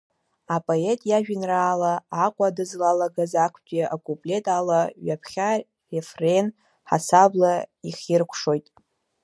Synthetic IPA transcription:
apʼo̞etʼjaʒᶣɪnraːlaːqʷʼadɨzlalaɡazakʷʰtʲʼeʔakʼupʼle̞tʼalaɥapʰχʲa | refren | ħa̰sablaiχʲirkʷʰʂo̞jtʼ

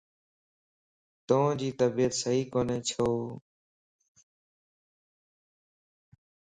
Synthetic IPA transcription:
t̪õːd͡ʒiːt̪əbiːət̪səɦiːkoːneːt͡ʃʰoː

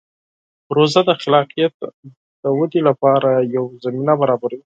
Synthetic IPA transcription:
ɾozad̪əxɪlɑqijat̪ | d̪̥əwad̪ilapɑɾajawzaminabaɾɑbaɾawi

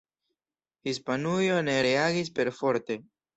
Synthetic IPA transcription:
hispanujo̞ne̞ɾeaɡis̬pe̞ɾfo̞ɾte̞

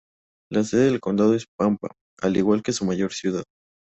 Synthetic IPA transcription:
las̬eðeðelko̞nd̪að̞o̞e̞spampa̰ | aliɣwalke̞sumaʝo̞ɾsjuðað

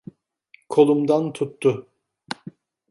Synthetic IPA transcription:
kʰo̞lˠumd̪ant̪ʰut̪ʰːʊ

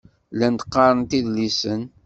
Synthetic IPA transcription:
lænt̪ə̥qːɑɾˤənt̪iðlisən

